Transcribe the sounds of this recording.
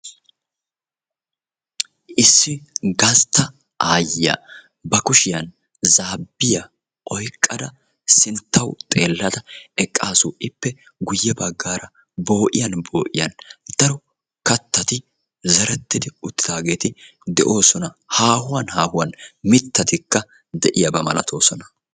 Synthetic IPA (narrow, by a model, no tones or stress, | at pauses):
ʔɪsːɪɡɐst̪ːɐ | ʔaːjɪjɐ̰ | bɐkʊʃɪjɐn | zaːbːɪjɐ | ʔɔjkʼːɐd̪ɐ | sɪnt̪ːɐwt̪ʼe̞ːlːɐd̪ɐɛkʼːaːsuːʔɪpːɛ | ɡʊjːɛbɐɡːaːɾɐ | bo̞ːʔɪjɐnbo̞ːʔɪ̰jɐ̰nd̪̥ɐɾɔ | kɐt̪ːɐt̪ɪ | zɐɾɛt̪ːɪd̪ɪʊt̪ːɪd̪aːɡe̞ːt̪ɪ | d̪ɛʔo̞ːsɔnɐhaːhʊwɐnhaːhʊwɐnmɪt̪ːɐt̪ɪkːɐ | d̪ɛʔɪjɐbɐmɐlɐ̰t̪ʰo̞ːsɔnɐ̥